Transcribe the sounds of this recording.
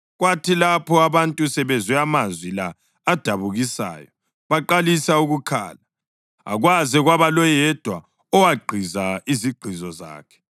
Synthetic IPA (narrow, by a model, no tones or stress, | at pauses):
ɣwatʰilapʰɔaβantʼusɛβɛzwɛamazwilaː | d̥ʱaβuɣisa̰ːjɔ | βaǃalisauɣukʰa̰ːla | a̰ɣwazɛɣwaβalɔjɛd̥ʱwa | ɔwaɡ͡ǃʱizaiziɡ͡ǃʱizɔza̰ːkʰɛ̥